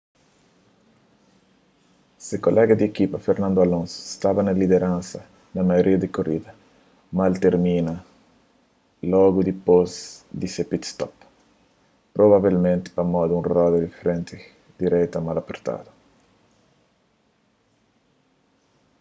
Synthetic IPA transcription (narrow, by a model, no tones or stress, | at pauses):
sekolɛɡɐd̪iekipɐfeɾnãnd̪oalõnso̥st̪abɐnɐlid̪eɾãnsɐ | nɐmajoɾʔiɐd̪ekorid̪ɐ | malt̪eɾmĩnɐ | lɔɡud̪ipozd̪isepit̪st̪ɔp | pːɾoβaβilmẽnt̪ɪ̥pɐmɔd̪ũnrɔd̪ed̪ifɾẽnt̪ʰe | d̪̥iɾɛjt̪ɐmalapeɾt̪a̰d̪o